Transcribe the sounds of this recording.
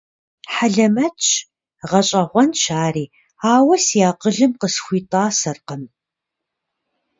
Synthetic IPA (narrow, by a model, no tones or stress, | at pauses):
ħaɮɐmɐt͡ʃʼʰ | ʁɐɕʼɐʁʷɔnʃaːriː | aːwɐsijaːqəɮɨmqəsxʷiːtʼaːsɐrqəm